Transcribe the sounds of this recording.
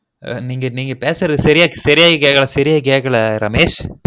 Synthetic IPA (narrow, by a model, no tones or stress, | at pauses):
niːŋɡɐniːŋɡɐpeːsɪɾɐðɯsɐɾɪjaːsɐɾɪjaːɣikeːɣɐɭɐsɐɾɪjaːk̬eːɣɐɭɐɾɐmeːʂ